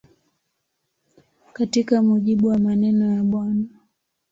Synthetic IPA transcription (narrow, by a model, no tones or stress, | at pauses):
katikamuʄiɓuwamanɛnɔjaɓwana